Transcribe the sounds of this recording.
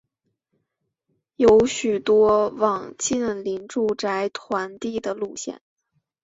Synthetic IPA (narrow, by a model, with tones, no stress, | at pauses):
jo˧˥ʊɕy˨˩t̪wɔ˥wɑ˨˩ŋt͡ɕi˥˩nli˧˥nʈ͡ʂu˥˩ʈ͡ʂa˧˥ɪt̪ʰwa˧˥nt̪i˥˩d̪ə˩lu˥˧ɕjɛ̰˥˩n